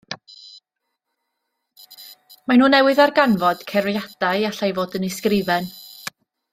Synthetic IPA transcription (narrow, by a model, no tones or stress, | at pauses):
manuːnɛwɨðarɡanvɔd̥kʰɛrjad̥ajaɬajvoːdənɪskrɪvɛn